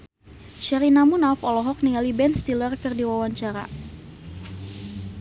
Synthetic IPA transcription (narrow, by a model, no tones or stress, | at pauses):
ʃɛɾinamunafɔlɔɦɔk̚niŋalibɛnst̪ilərkɨrdiwawaɲt͡ʃaɾa̰